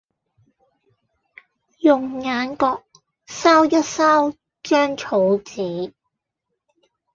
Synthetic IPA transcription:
jʊ˨˩ŋŋaː˨˥nkɔː˧k̚ | saː˥wjɐ˥t̚saː˥w | t͡ʃœː˥ŋt͡ʃʰo˨˧wt͡siː˨˥

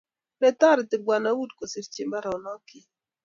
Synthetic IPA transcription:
bɛ˦ta˦˨ɾɪ˨tɪ˨ɡʷwa˨na˦wu˦dko˨si˦ɾt͡ʃi˦mba˦ɾɔ˨nɔ˦kɪ˨

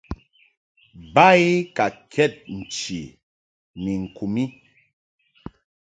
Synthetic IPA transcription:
ba˦i˦ka˨kʰɛ˦˨t̚n̩˨t͡ʃi˨ | ni˨ŋ̩˨ku˨mi˦

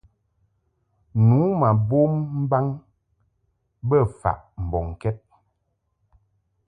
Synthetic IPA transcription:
nu˨˦ma˨bo˦mm̩˦ba˦ŋ | bə˦˨fa̰˨ʔm̩˨bɔ˨ŋ˨kɛ˦t̚

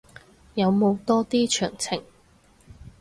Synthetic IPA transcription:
jɐ˨˧wmo˨˧wt̪ɔː˥t̪iː˥t͡ʃʰœː˨˩ŋt͡sʰɪ˨˩ŋ

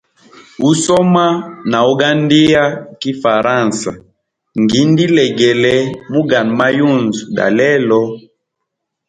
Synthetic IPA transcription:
u˦sɔ˦ma˦na˨u˦ɡa˦ndi˦ja˦ki˦fa˨ɾã˦˨nsa˨ | ŋɡi˨˦ndi˦lɛ˨ɡɛ˨lɛ˦mu˦ɡa˨nma˦ju˦˨nzɡa̰˨lɛ˦lɔ˦

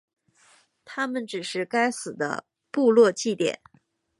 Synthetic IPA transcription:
t̪ʰa˥mə˨nʈ͡ʂɻ̩˨˩ʂɻ̩˥˩ka˥ɪsɹ̩˨˩d̪ə̰˦ | pu˥˧lwɔ˥˧t͡ɕi˥˩t̪jɛ̰˨˩˦n

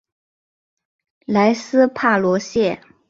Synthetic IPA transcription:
la˧˥ɪsɹ̩˥pʰa˥˩lwɔ˧˥ɕjɛ˥˩

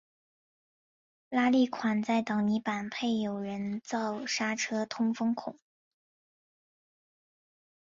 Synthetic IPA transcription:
la˥li˥˩kʰwa˨˩nt͡sa˥˩ɪt̪ɑ˨˩ʊni˧˥pa˨˩npʰe˥˩ɪjo˨˩ʊɻə˧˥nt͡sɑ˥˩ʊʂa˥ʈ͡ʂʰɤ˥t̪ʰʊ˥ŋfɤ˥ŋkʰʊ˨˩˦

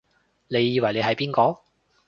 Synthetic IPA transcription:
ne˨˧jːiː˨˧wɐ˨˩jle˨˧jɦɐ˨˥jpiː˥nkɔː˧˥

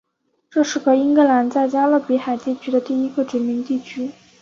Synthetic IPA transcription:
ʈ͡ʂɤ˥˧ʂɻ̩˥˩kɤ˧˥i˥ŋkɤ˥˧˩la˧˥nt͡sa˥˩ɪt͡ɕja˥lɤ˥˩pi˧˥xa˨˩ɪt̪ɛ˥˩t͡ɕʰy˥d̪ə˧t̪i˥˩i˥ɡə˧ʈ͡ʂ̩˧˥nmi˧˥ŋt̪i˥˩t͡ɕʰy˥

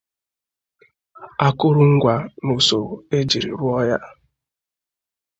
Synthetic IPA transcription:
a˨kʊ˦ɾʊ˦ŋ̩˦ɡʷa˨nu˨so˨e˦d͡ʒi˨ɾḭ˨ɾʊ˦ɔ˦ja˦

